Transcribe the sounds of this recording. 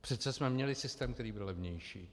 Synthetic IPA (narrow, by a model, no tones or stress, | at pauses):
pr̝̥ɛt̪sɛsmɛmɲɛlɪsɪst̪ɛːmkt̪ɛɾiːbɪllɛvɲɛjʃiː